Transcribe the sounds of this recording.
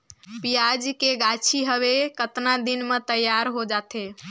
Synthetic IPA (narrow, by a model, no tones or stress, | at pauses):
pijad͡ʒkeɡat͡ʃʰiɦəʋekət̪nad̪inmet̪əjːaɾɦod͡ʒat̪ʰe